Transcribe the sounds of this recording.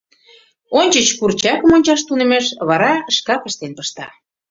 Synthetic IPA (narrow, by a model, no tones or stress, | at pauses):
onʲt͡ɕət͡ɕkurt͡ɕɑkə̆monʲt͡ɕɑʃ̬t̪unĕmeʃβɑɾɑəʃkɑpə̆ʃt̪enpəʃt̪ɑ